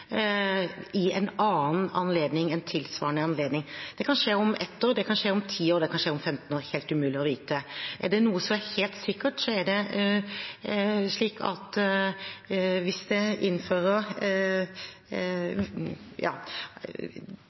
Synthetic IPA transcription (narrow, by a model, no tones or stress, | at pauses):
ɪɛ̰nɑːnɑnleːd̪nɪŋɛnt̪ʰɪlsʋɑ̰ːɳəɑnleːd̪nɪŋd̪̥ɛkʰɑnʂeːɔmʔɛt̪ʰːəɾd̪ɛkʰɑnʂeːɔmt̪ʰiːoːɾd̪ɛkʰɑnʂeːɔmfɛmt̪n̩oːɾheːlt̪ʉmʉːlɪɔʋiːt̪əʔæɖɛnuːəsɔmæɾheːlt̪sɪkːəʈsɔæɖɛ | ʂɭiːkʰɑ̰t̪ | ʋɪsd̪ɛɪnːføːɾəɾ | jɑ̰ː